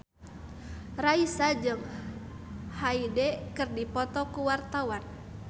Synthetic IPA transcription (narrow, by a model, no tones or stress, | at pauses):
raisad͡ʒɨŋ | haidɛkɨrdipɔt̪ɔkuwart̪awan